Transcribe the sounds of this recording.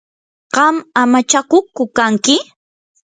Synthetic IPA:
ɢ̥ɑmamat͡ʃakʊkːʊkaŋkɪ

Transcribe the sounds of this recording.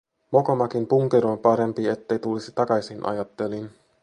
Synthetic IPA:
mo̞ko̞mɑkimpuŋk̟eɾompɑɾe̞mpie̞t̪ːe̞jt̪ulisit̪ɑkɑjsinʔɑ̰jɑt̪ːe̞lin

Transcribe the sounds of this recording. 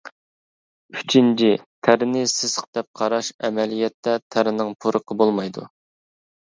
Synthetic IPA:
y̥t͡ʃʰint͡ʃʰit̪ʰæɾɪnɪsɪsəqd̪ɛp̚qʰɑɾɑʃɛmɛlijɛt̪ːɛt̪ʰæɾɪnɪŋpʰuɾəqʰəbolˠmɑjd̪ṵ

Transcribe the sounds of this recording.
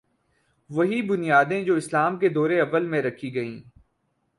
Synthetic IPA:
ʋɐɦibʊnijaːd̪ẽd͡ʒoːɪslaːmked̪ɔːɾeɐbəlmẽɾɐkʰiɡɐḭ̃ː

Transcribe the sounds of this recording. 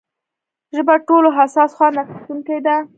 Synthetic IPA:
ʒəbaʈoloɦasɑsxwɑnaxit̪uŋkajd̪a

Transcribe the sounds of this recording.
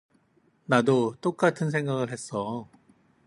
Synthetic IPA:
nadot͈ok͈atʰɯnsʰe̞ŋɡaɡɯɭɦe̞s͈ʌ

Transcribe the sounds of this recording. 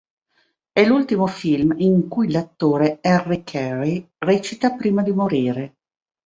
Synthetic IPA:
ɛlult̪imofilmiŋkujlat̪ːoːɾeɛrːekʰɛri | rɛt͡ʃit̪apɾiːmad̪imoɾiːɾe

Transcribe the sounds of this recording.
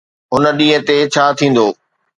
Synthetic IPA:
ɦʊnə̆ɗĩːɦə̃t̪et͡ɕʰaːt̪ʰĩːn̆d̪oː

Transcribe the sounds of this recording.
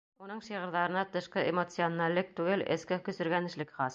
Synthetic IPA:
unɤɴʃiʁɤ̆ɾðɑɾɤ̆nɑt̪ɤ̆ʃqɤʔemot̪sɨonalʲːɘk̚t̪ʉɡɘlɘ̰̆skɘkɵ̆sɵ̆ɾɡænɘ̆ʃlɘkχɑs

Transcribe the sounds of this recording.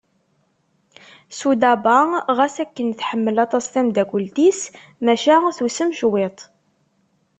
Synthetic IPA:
sud̪æbæʁæsækːənθħəmːəlɑt̪ˤɑsθæmd̪æɡʷəld̪is | mæʃæθusəmʃwet̪ˤ

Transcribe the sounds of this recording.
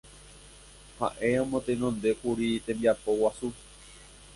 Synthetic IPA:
ha̰ʔe̞õmõt̪enõnd̪e̞kuɾit̪ẽ̞mbiapo̞wasu

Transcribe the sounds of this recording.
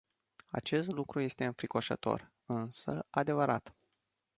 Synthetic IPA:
a̰t͡ʃe̞st̪lukɾuje̞st̪e̞ɨnfɾiko̞ʃə̰t̪o̞̰r | ɨnsəad̪e̞vəɾat̪

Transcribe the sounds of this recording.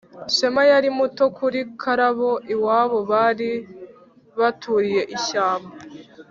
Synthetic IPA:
ʃemajaɾimuto̞kʰuɾikʰaɾaβo̞ʔiwaːβo̞βaɾi | βatuɾije̞ʔiʃaːmba

